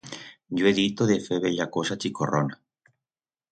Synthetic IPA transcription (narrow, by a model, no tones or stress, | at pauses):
ʝoeðit̪oðefeβeʎakosat͡ʃikorona